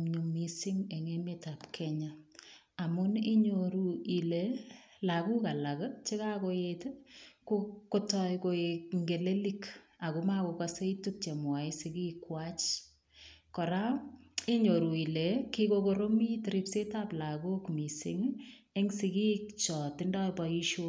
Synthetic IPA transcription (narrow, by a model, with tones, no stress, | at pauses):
ɲu˨misi˦ŋe˨ŋe˦meta˨pkʰɛɲa | a˨mʊ˦ni˦ɲoɾu˨i˨le | laku˦ka˨la˨kt͡ʃe˦ka˦kojetkokːo˦tɔjko˨ekŋɡe˨le˦lika˨ku˨˦ma˦ko˧ka˦se˦ituk̚t͡ʃe˨mwa˨i˦sɪ˨ki˦kwa˦t͡ʃ | kɔ˨ɾa˦e˦ɲo˨ɾu˨i˨le˨kikokoɾo˦mi˦tɪɾi˦pse˦ta˦pla˨ɡo˦kmi˨sɪ̰˨ŋe˦ŋsi˧ki˦kt͡ʃɔ˨tɪ˦ndɔ˦jpɔ˨i˦ʃo˦